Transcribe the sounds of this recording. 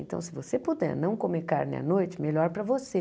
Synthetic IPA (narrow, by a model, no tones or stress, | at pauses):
ḛ̃nt̪ɐ̰̃w̃sɪvosepod̪ɛ̰ɾnɐ̃w̃kõmeka̰ɾnḛ̃ɐ̰nojt͡ʃɪmeʎɔɾpɾɐvose